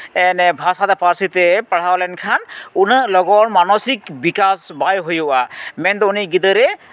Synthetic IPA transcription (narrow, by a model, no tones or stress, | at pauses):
ɛnɛbʱasat̪ɛpʰaɾsit̪ɛpaɽ̤awlɛnkʰanunəlɔɡɔnmanɔsikbikasbajɦojɔwamɛnd̪ɔuniɡid̪əɾɛ